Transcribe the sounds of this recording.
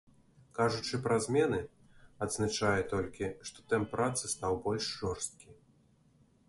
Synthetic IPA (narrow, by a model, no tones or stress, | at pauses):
kaʐut͡ʂɨpɾɐzʲmʲɛnɨ | ad̪znat͡ʂajɛt̪ɔlʲkʲiʂt̪ɔ̥t̪ɛmpːɾat̪sɨst̪awbɔlʲʂʐɔrst̪̚kʲi